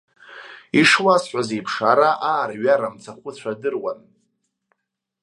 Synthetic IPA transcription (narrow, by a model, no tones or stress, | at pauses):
iʂwasħʷazejpʰʂaɾaʔaːɾaɥaɾamt͡sʰaχʷʊt͡ɕʷʰadɨrwan